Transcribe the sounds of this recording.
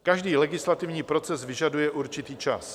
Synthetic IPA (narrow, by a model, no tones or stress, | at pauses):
kaʒdiːlɛɡɪslat̪ɪvɲiːpɾo̞t͡sɛsvɪʒadujɛʔuɾt͡ʃɪt̪iːt͡ʃa̰s